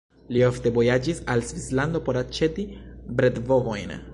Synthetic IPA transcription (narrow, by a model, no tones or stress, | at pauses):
lio̞ft̪e̞vo̞jad͡ʒisalsvisland̪o̞po̞ɾat͡ʃe̞tibɾe̞dvo̞vo̞jn